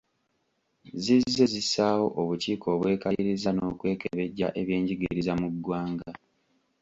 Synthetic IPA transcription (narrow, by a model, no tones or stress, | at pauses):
zizːe̞zisaːwo̞̰ʔoβuciːkʰo̞ːβwe̞ːkaliɾizano̞ːkwe̞ːkḛβe̞ɟːa̰ʔe̞βje̞ːɲɟiɡḭɾizamuɡwaːŋɡa